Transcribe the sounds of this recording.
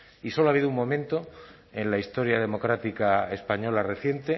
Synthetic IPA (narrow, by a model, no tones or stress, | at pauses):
iso̞loaβiðouŋmõ̞mẽ̞nt̪o̞ | e̞nlaist̪o̞ɾjaðe̞mo̞kɾat̪ikaespaɲo̞lare̞θje̞nt̪e̞